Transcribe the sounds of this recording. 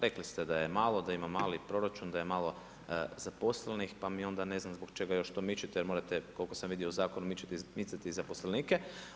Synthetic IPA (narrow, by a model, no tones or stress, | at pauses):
ɾe̞klist̪ed̪ajemaːlˠo̞d̪aimamaːlipɾo̞ɾat͡ʃund̪ajemalˠo̞ | zapo̞slenixpamio̞nd̪ane̞znamzbokt͡ʃe̞ɡajo̞ʃt̪o̞ːmit͡ʃit̪ɛjeɾmo̞ːɾat̪eko̞lkosamʋid̪iouzaːko̞numit͡ʃi̥t̪imit̪sat̪iːzapo̞sleniːkɛ